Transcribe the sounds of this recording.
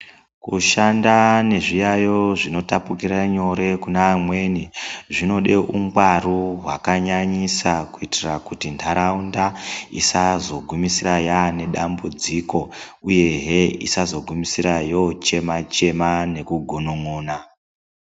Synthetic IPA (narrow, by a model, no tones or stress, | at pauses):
kuʃandane̞ʐijajo̞ʐino̞tapukiɾaɲo̞ɾe̞kunaːmwe̞ːniʐino̞ɗe̞ʔuŋɡwaruɦwakaɲaɲisakuitirakutintʰaɾaundaḭsazo̞ɡʱumisirajane̞ɗambud͡ziko̞ | uje̞ɦeḭsazo̞ɡʱumisirajo̞t͡ʃe̞mat͡ʃe̞mane̞kuɡʱonoŋoːna